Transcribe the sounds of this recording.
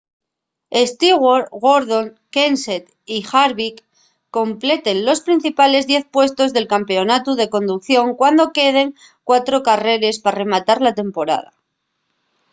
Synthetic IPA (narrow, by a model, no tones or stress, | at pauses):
est̪iɣwoɾɣoɾðo̞ŋ | kenset̪ | ixaɾβikː | o̞mple̞t̪e̞nlo̞spɾin̟θipale̞zðje̞θpwe̞st̪o̞zðe̞lkampe̞o̞nat̪uð̞e̞ko̞nd̪ukθjo̞ŋkwand̪o̞ke̞ð̞e̞ŋ | kwat̪ɾo̞kare̞ɾe̞spare̞mat̪aɾlat̪e̞mpo̞ɾa̰ða